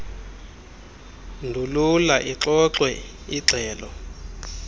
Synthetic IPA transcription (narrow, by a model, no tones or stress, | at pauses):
ndʱululaʔiǁɔǁwɛ | iɡ͡ǀʱɛːlɔ